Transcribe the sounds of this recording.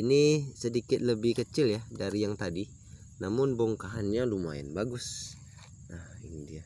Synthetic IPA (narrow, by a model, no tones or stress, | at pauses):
inisədikɪt̪̚ləbɪhkət͡ʃɪljahdaɾijaŋt̪adi | namʊnbɔŋkaɦanɲaluma̰ɪ̰nbaɡʊs | ahindia